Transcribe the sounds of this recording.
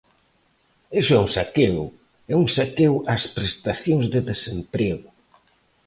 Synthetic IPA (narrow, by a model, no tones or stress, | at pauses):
esʊɛũŋsakew | ɛuŋsakewʔaspɾest̪aθjoŋzðeðesempɾeɣʊ